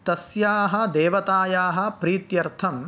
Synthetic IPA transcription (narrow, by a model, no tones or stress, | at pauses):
t̪ɐsjaːɦɐ̆d̪eːʋɐt̪aːjaːɦɐ̆pɾiːt̪jɐɾt̪ʰɐm